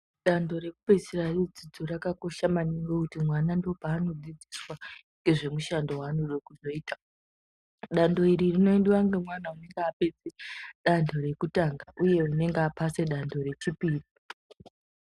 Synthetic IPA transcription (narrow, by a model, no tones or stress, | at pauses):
ɗando̞re̞kupe̞serarid͡zid͡zorakako̞ʃamaniŋɡokutimwanandopaːno̞d͡zid͡ziswa | ŋɡe̞ʐe̞muʃando̞ɦwaːnoɗokuzo̞iːta | ɗando̞iɾirino̞endewaŋɡemwanaune̞ŋɡeape̞d͡zeɗandʰo̞re̞kutaŋɡaʔuje̞une̞ŋɡeapase̞ɗando̞ɾe̞t͡ʃipiːri